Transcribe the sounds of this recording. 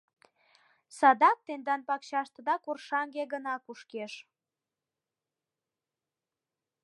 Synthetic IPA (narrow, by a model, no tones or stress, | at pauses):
sɑd̪ɑk̚t̪end̪ɑnpɑkɕɑʃt̪ə̆d̪ɑkorʃɑŋɡeɡənɑkuʃkeʃ